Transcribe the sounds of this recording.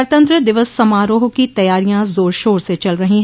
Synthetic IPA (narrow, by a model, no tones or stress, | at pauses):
ɾt̪ə̃nt̪ɾəd̪ɪʋəsːɐmaːɾoːɦkit̪ɐjaːɾijãzoːɾʃoːɾset͡ʃɐlɾɐɦĩɦ